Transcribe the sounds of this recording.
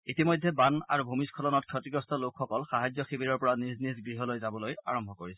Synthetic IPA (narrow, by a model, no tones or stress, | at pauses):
itimɔjdʱːɛbana̰ɹubʱumiskʰɔlɔnɔtkʰɔtiɡɹɔstɔlokʰxːɔkɔlxaɦajzjɔxibiɹɔɹpɔɹaniznizɡɹiɦɔlojzabɔloja̰ɹɔmbʱɔkoɹisɛ̥